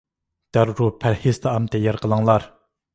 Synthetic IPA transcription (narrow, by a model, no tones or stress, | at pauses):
t̪arropʰarhest̪aʔamt̪ejarkəlaŋlar